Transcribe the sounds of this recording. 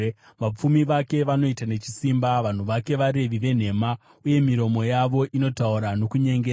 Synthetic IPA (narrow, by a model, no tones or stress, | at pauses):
ʋap͡fumiʋake̞ʋano̞itane̞t͡ʃi̥simbaʋan̤uʋake̞ʋaɾe̞ʋiʋe̞n̤e̞ma | uje̞miɾo̞mo̞jaʋo̞ʔino̞tauɾano̞kuɲe̞ŋɡea